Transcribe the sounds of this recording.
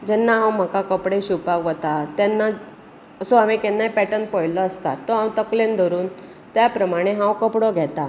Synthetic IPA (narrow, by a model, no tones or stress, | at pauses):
d͡ʑɛnːaɦãwm̤akakəpɽeɕupakʋət̪at̪janːa | əsoamekɛnːajpɛʈənpɔjlɔəst̪a̰t̪ːɔɦãwt̪əklend̪ʱəɾuːn | t̪japɾəmaɽ̃eɦãwkəpɽɔɡʱɛt̪a